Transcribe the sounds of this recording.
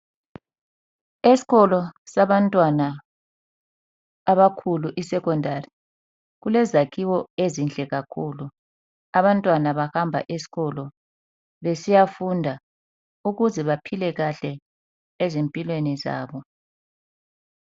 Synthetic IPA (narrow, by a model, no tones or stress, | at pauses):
esi̥ɣɔlɔsaβantʼwana | βakʰuluʔisɛkɔndʱari | ɣulɛzakʰiwɔezind͡ɮʱɛɣakʰuːlu | aβantʼwanaβahambʱa̰ʔesi̥ɣɔlɔ | βesijafundʱa | uɣuzɛβapʰilɛɣaɬɛ | ezempʼilweniza̰ːβɔ